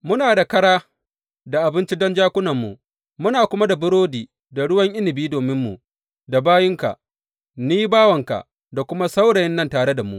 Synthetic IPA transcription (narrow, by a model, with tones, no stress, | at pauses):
mʊ˦naː˨da˨kɐ˦ɽaː˦ | da˨ʔa˨bɪ˦nt͡ʃi˦dɔ˦nd͡ʒaː˦kʷʊ˦nɐ˨mːṵ˨ | mʊ˦naː˨kʷʊ˦ma˦da˨bʊ˦ɽoː˦diː˨ | da˨ɽʊ˦wɐ˦ŋʔɪ˦nɪ˨biː˦doː˨mɪ˦mːṵ˨ | da˨baː˦jɪ˦ŋka̰˨ʔ | ni˦ji˦baː˦wɐ˨ŋka̰˨ | da˨kʷʊ˦ma˦sa˦wɽɐ˨jɪ˦nːɐ˦ntaː˨ɽe˦da˨mṵ˦ʔ